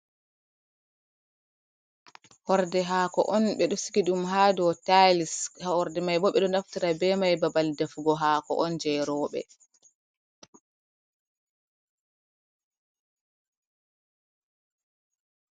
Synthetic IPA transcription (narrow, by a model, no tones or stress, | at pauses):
hɔɾdɛɦaːkɔ̰ʔɔnɓɛɗɔsi̥kiɗumhaːdɔtajlishahɔɾdɛmajbɔɓɛɗɔnaftiɾabɛmajbabaldafɡɔɦaːkɔ̰ʔɔnd͡ʒɛɾɔːɓɛ̰